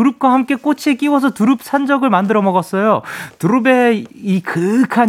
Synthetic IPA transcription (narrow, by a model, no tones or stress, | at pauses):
uɾɯp̚k͈wahamk͈e̞k͈ot͡ɕʰek͈iwʌs̬ʰʌtuɾɯp̚s͈ʰand͡ʑʌɡɯɭmandɯɾʌmʌɡʌs͈ʌjotuɾɯbe̞ikɯkʰa